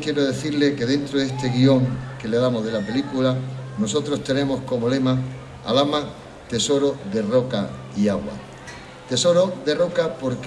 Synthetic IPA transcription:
kje̞ɾoðe̞θiɾle̞ke̞ðẽ̞nt̪ɾoðe̞st̪e̞ɣio̞ŋke̞leðamo̞ɦðe̞lape̞likulano̞so̞t̪ɾost̪e̞nẽ̞mo̞sko̞mo̞le̞ma | a̰lama | t̪e̞so̞ɾoðe̞ro̞ka̰ | iaɣwa̰ | t̪e̞so̞ɾoðe̞ro̞kapo̞ɾk

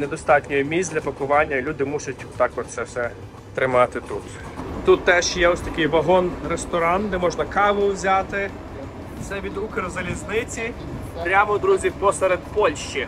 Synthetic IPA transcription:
ned̪ɔst̪ɑtʲnʲɔjʊmʲizd̪ʲlʲɐpɐkʊʋɑnʲːɐilʲud̪ɪmusʊtʲt̪ɑkɔʃsɛwsɛ | t̪ɾɪmɑt̪ɪt̪ut̪ | t̪ut̪ːɛʃjɛɔsʲt̪ɐkʲɪjʋɐɦɔnrest̪ɔɾɑnd̪ɛmɔʒnɐkɑʋʊzʲat̪ɪ | sɛʋʲid̪ukeɾzɐlʲiznɪt͡sʲi | pɾʲamɔd̪ɾuzʲipɔsɛɾed̪pɔlʲʃt͡ʃi

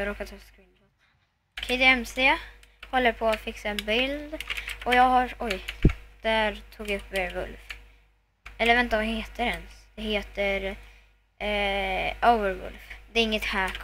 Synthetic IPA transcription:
ɾoːkat̪ʰɛskɪn | kʰɛd̪eɛmseː | hɔlːəɾpʰɔat̪fɪksaɛnbɪld̪ɔjɑːɡhaɾɔjd̪̥æɾt̪ʰuːɡjaɵpːeɾvɵ̰lf | ɛlːəɾvɛnt̪avaheːt̪əɾɛnsd̪̥ɛheːt̪əɾ | oʊvəɾvɵ̰lfd̪ɛɾɪŋːət̪hæːkʰ

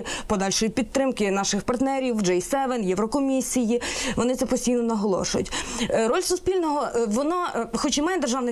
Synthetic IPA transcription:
pɔd̪ɑlʲʃɔjʲipʲit̪̚t̪ːɾɪmkɪnɑʃɪxpɐrt̪nɛɾʲiwd͡ʒɛjsɛʋɛnjɛʋɾɔkɔmʲisʲijiʋɔnɪt̪sɛpɔsʲtʲijnɔnɐɦɔlˠɔ̰ʃʊjʊ̰tʲɾɔlʲsʊspʲilʲnɔɦɔʋɔnɔxɔt͡ʃimɑjɛd̪erʒɑʋnɪ

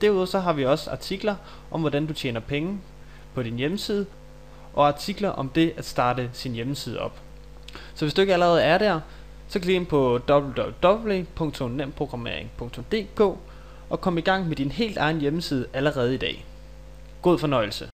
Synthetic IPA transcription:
d̥æɐuðˠɐsɒ̽ɦɑ̈ʋiɒ̽səɑ̈t͡sʰiɡ̥lɐ | ʔɒ̽mʋɒɾ̥ænd̥ut͡ɕʰjḛːnɐpʰeŋə | pʰɒ̽ɾ̥injeməsiːð̞ˠə | ʔɒ̽ɑ̈t͡sʰiɡ̥lɐʔɒ̽md̥e̝ʔæd̥sd̥ɑ̈ːd̥əsinjeməsiːð̞ˠɒ̽b̥ | sɒ̽ʋesd̥ue̝ɡ̥æləʁɛːð̞̩ˠæɐɾæɐ̰ | sɒ̽kʰliɡenpʰɒ̽d̥ɒb̥l̩dbd̥ɒ̽b̥̩ʋe̝pʰɔ̽ŋt͡sʰɔ̽mnem̰pʰʁo̝ɡ̥ʁɑ̈me̝̰ɐ̰eŋpʰɔ̽ŋ̰t͡sʰɔ̽md̥e̝̰ːkʰɔ̰̽ː | ɒ̽kʰɒ̽məiɡ̥ɑ̈ŋ̰med̥inhe̝̰ːld̥ɑ̈ɪn̩jeməsiːð̞ˠəʔæləʁɛːð̞ˠid̥ɛ̰ː | ɡ̥o̝ð̞̰ˠfɒ̽nɒ̽ɪ̰l̩sə

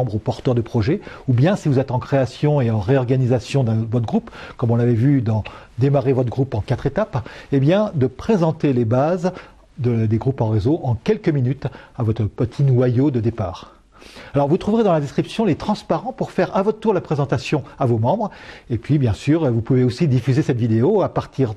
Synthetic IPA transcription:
bʁopɔʁt̪œʁd̪əpχɔʒɛubjɛ̃sivuzɛt̪ɑ̃kχeasjɔ̃eɑ̃ʁeɔʁɡanizasjɔ̃d̪ɛ̃vɔt̪ɡʁupkɔmɔ̃lavɛvyd̪ɑ̃d̪emaʁevɔt̪χəɡʁupɑ̃kat̪χet̪apebjɛ̃d̪əpχezɑ̃t̪elebaz | d̪əd̪eɡʁupɑ̃ʁezoʔɑ̃kʲɛlkəminyt̪avɔt̪χəpət̪ʰinwajod̪əd̪epaːʁ | alɔʁvut̪χuvʁed̪ɑ̃lad̪ɛskχipsjɔ̃let̪χɑ̃spaʁɑ̃puʁfɛʁavɔt̪ət̪uʁlapχezɑ̃t̪asjɔ̃avomɑ̃bʁepɥibjɛ̃syʁvupuveosid̪ifyzesɛt̪vid̪eoapaʁt̪ʰiʁ

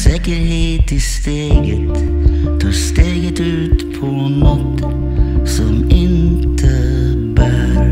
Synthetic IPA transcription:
sɛkəɾɦeːt̪ɪst̪eːɡət̪ | t̪ʰɑːst̪eːɡət̪ʉ̟ːt̪pʰɔ | nɔt̪ | sɔmɪnt̪ʰə | bæɾ

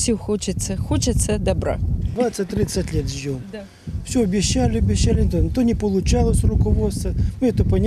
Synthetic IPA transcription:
sʲixot͡ɕɪt̪səxot͡ɕɪt̪səd̪ɐbɾa̰d̪vat̪sɨt̚ʲt̪ːɾit̪sətʲlʲet̪ʒom | fsʲoɐbʲɪɕːælʲɪɐbʲɪɕːælʲɪt̪ont̪onʲɪpəlˠʊt͡ɕalˠəsʲrʊkɐvot̪st̪vəmɨɛt̪əpənʲɪ

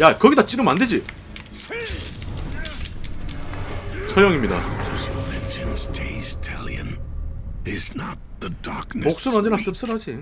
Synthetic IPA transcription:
jakʌɡitat͡ɕ͈iɾɯmanded͡ʑi | t͡ɕʰʌjʌŋimɲida̰d͡ʒʌstwʌɨ̃nd͡ʒʰɨmstʰez̥tʰɛlˠjɨ̰̃n | ɪznət̪̚ðədɑɹknok̚s͈ɯnʌaɲd͡ʑenas͈ɯp̚s͈ɯɾad͡ʑi

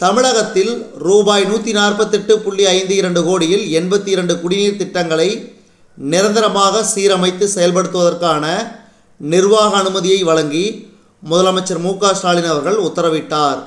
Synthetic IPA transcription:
t̪ɐmɪɻɐɣɐt̪ːɪlɾuːbaːjnuːt̪ːinaːrpɐt̪ːɛʈːɯpʊɭːiɐɪnd̪ɯɪɾɐɳɖɯkoːɽɪjɪlɛnbɐt̪ːiɪɾɐɳɖɯkʊɽɪniːɾt̪ɪʈːɐŋɡɐɭɐɪ | nɪɾɐnd̪ɐɾɐmaːɣɐsiːɾɐmɐɪt̪ːɯsɛjɐlpɐɽɯt̪ːɯʋɐðɐrkaːnɐ | nɪɾʋaːɣɐːnɯmɐðɪjɐɪʋɐɭɐŋɡi | mʊðɐlɐmɐɪt͡ʃːɐɾmuːkaːsʈaːlɪnɐʋɐɾɣɐɭʊt̪ːɐɾɐʋɪʈːaːɾ

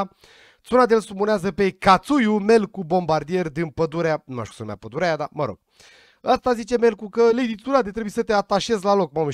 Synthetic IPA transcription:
t̪sunad̪eelsumuneazəpe̞kat̪sujume̞lkubo̞mbard̪ije̞rʲd̪ɨnpəd̪uɾeanuma̰ʃt̪ʲusənuma̰pəd̪uɾajad̪a̰məɾo̰ɡ̥ | ast̪azit͡ʃe̞me̞lkukəled̪it̪unad̪et̪ɾebujesət̪eat̪aʃe̞zlalo̞kmamu

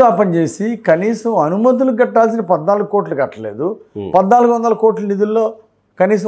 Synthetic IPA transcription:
aːpɐɲt͡ʃe̞ːsikɐniːsɐmɐnumɐt̪̬uluɡɐʈːaːls̬inɐpɐd̪naːluɡuko̞ːʈluɡɐʈːɐle̞̰ːd̪upɐd̪naːluɡuʋɐnd̪ɐlɐkoːʈlɐnid̪ulːo̞ː | kɐniːs̬ɐ

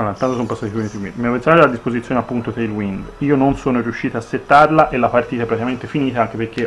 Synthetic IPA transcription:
anant̪ant̪osompasːat̪iponit̪ewḭnmiavensonaɾelad̪ispozit̪sjoːneapːunt̪ot̪eilwind̪iːononsoːnoɾiuʃːiːt̪aːsːet̪ːarlaʔelːapart̪iːt̪aɛpːɾat̪ikament̪efiniːt̪aaŋkeperk̟ːe

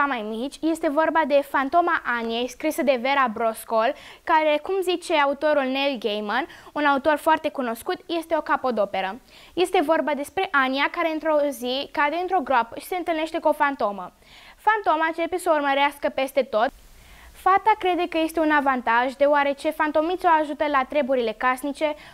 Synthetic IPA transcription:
amajmit͡ʃʲje̞st̪e̞vo̞rbad̪e̞fant̪o̞maʔaniejskɾisəd̪e̞ve̞ɾabɾo̞skolkaɾe̞kumzit͡ʃe̞aut̪o̞ɾulnelɡejmənunaut̪o̞rfoart̪e̞kuno̞skut̪je̞st̪e̞o̞kapo̞d̪o̞pe̞ɾə | je̞st̪e̞vo̞rbad̪e̞spɾe̞ʔaniakaɾeɨnt̪ɾo̞zikad̪eɨnt̪ɾo̞ɡɾoapəʃi̥se̞ɨnt̪ɨlne̞ʃt̪e̞kuo̞fant̪o̞mə | fant̪o̞maɨnt͡ʃe̞pe̞səurməɾeaskəpe̞st̪e̞t̪o̞t̪ | fat̪akɾe̞d̪e̞kəje̞st̪e̞unavant̪aʒd̪e̞oaɾe̞t͡ʃe̞fant̪o̞mit̪sʲoaʒut̪əlat̪ɾe̞buɾile̞kasnit͡ʃe̞

